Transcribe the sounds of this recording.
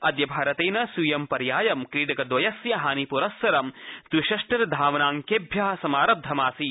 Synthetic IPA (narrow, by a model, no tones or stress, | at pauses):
ɐd̪jɐbʱaːɾɐt̪eːnɐsujɐmpɐɾjaːjɐmkɾiːʈɐkɐd̪ʋɐjɐsjɐɦaːnipuɾɐsʋɐɾɐmd̪wiʃɐʂʈɐɾɐd̪ʱaːʋɐnaːŋkeːbʱjaːɐsɐmaːɾɐb̚d̪ʱɐmaːsi